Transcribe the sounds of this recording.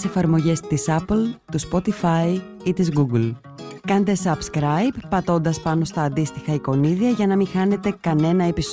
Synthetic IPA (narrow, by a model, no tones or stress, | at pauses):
se̞fɐɾmo̞ʝe̞st̪isɐplt̪uspo̞t̪ifɐi | it̪izɣuɡl | kɐnt̪e̞sɐbskɾɐjbːɐt̪o̞nd̪ɐspɐno̞st̪ɐːnd̪ist̪ixɐiko̞niðiɐʝɐnɐmixɐne̞t̪e̞kɐne̞nɐe̞pis